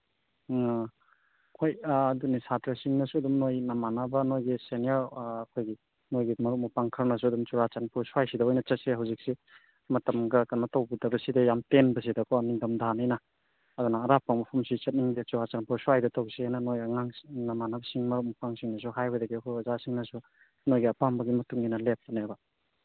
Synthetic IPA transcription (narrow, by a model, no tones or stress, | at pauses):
kʰojdunisatɾɐsiŋnɐsuɐdumnojnɐmanabɐnojɡiseniaɾːkʰojɡi | nojɡimɐɾuk̚mɐpaŋkʰɐɾnɐs̬uɐdumt͡ʃuɾat͡ʃanpusuwajsidɐojnɐt͡ʃɐt̚seɦawzik̚si | mɐtɐmɡɐkɐnmɐtɐwbudɐbɐsidajamtenbɐs̬idɐkʰoniŋdɐmdʱanajnɐ | ɐd̪unɐːɾapaŋmɐpʰumsit͡ʃɐt̚niŋdet͡ʃuɾat͡ʃanpuswajdɐtawsianɐnojɐŋaŋnɐmanabɐsiŋmɐɾuk̚mɐpaŋsiŋnɐs̬uɦajɔjdɐɡiɐkʰojɐzasiŋnɐsu | nojɡiɐpambɐɡimɐtuŋinɐlep̚tɐnabɐ